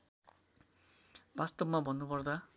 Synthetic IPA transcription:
bast̪ʌbmabʌnːupʌrd̪a

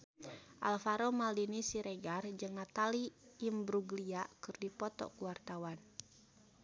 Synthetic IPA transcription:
ʔalfaɾomaldinisiɾeɡard͡ʒɨŋnat̪aliːmbɾuɡliakɨrdipɔt̪ɔ̰kuwart̪awan

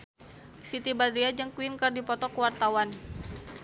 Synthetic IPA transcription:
sit̪ibad̪ɾiad͡ʒəŋkwinkərdipɔt̪ɔkəwart̪awan

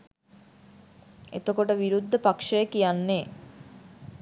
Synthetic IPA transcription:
ḛt̪okoʈəʋiɾud̪ːəpakʂəjəkijanːe

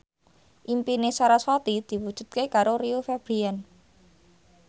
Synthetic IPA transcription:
ʔimpinesaɾaswat̪id̪̥i̤wud̥ʒ̥ṳt̪̚kekaɾoɾiufɛb̥ɾiɛn

